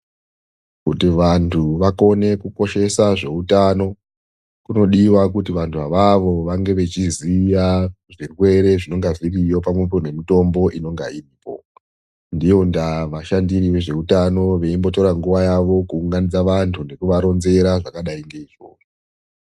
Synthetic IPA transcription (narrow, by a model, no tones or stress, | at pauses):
kutiʋantʰuʋako̞ne̞kuko̞ʃe̞saʐe̞utano̞ | kuno̞ɗiwak̬utiʋantʰuaʋaʋo̞ʋaŋɡe̞ʋe̞t͡ʃizija | ʐirwe̞ɾe̞ʐino̞ŋɡazirijo̞p̬amwepone̞mito̞mbo̞ʔino̞ŋɡairiːpo̞ | ndijo̞ndaʋaʃandiriʋe̞ʐe̞utano̞ʋe̞imbo̞to̞ɾaŋɡuʋajaʋo̞kuːŋɡanid͡zaʋantʰune̞kuʋaɾo̞nze̞ɾaʐakaɗaiŋɡe̞iʐo̰ːro